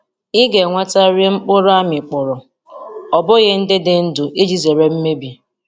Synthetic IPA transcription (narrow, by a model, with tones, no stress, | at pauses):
ɪ˦ɡe˨ŋʷa˦ta˦ɾe˦ŋ͡m̩˦k͡pʊ˦ɾa˦mɪ˨k͡pʊ˨ɾʊ˨ | ɔ˨bʊ˦ɣɪ˦n̩˦dɪ˦dɪ˦n̩˦dʊ˨ʔe˦d͡ʒi˨ze˨ɾe˦m̩˦me˦bi˨